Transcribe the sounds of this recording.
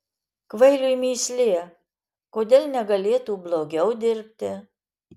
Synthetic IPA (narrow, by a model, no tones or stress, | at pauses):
kʋɐɪlʲujmʲiːsʲlʲeɛ | koːd̪ʲeːlʲˠnʲɛɡɐlʲeːt̪uːblˠoːɡʲɛʊd̪ʲɪɾʲpʲt̪ʲɪ